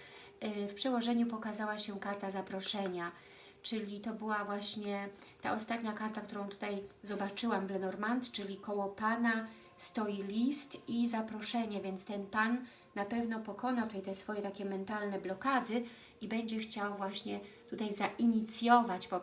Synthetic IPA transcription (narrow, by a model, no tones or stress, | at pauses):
fpʂɛwɔʐɛɲupɔkazawaɕɛkaɾt̪azapɾɔʂɛɲa | t͡ʂɘlʲit̪ɔbɘwavwaɕɲɛt̪a̰ʔɔst̪at̪ɲakaɾt̪ak̚t̪uɾɔ̃w̃t̪u̥t̪ajzɔbat͡ʂɘwamvlɛnɔɾmant̪t͡ʂɘlʲikɔwɔpana | st̪ɔjilʲist̪izapɾɔʂɛɲɛvʲjɛnt̪st̪ɛnpanː | apɛvn̪ɔpɔkɔnat̪ut̪ajt̪ɛsfɔjɛt̪akʲɛmɛnt̪alnɛblɔkad̪ɘ | ibɛɲd͡ʑɛxt͡ɕawvwaɕɲɛt̪ut̪ajzaʔiɲit̪sʲjɔvad͡ʑbɔ